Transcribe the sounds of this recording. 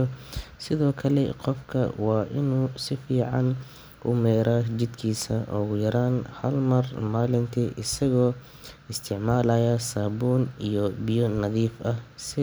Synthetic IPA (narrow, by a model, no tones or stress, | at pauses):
sɪðɔːkʰɐlɛ̰qɔfkʰɐ̰wɑːʔɪnuːsɪfiːʕɑn | ʔʊ̰mɛːɾaːd͡ʒɪd̪kʰiːsɐʔɔ̰ːɣʊjɐɾaːnhɐlmɐrmaːlɪnt̪ʰiːʔɪsɐɣɔː | ɪst̪ʰɪʕmaːlɐjɐsaːbuːnijɔbɪjɔnɐðiːfʔɐhsɪ